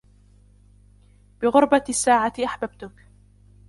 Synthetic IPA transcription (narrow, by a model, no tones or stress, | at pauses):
b̥ɪɣʊɾˤbasːaːʕaʔaħbab̚t̪ʊk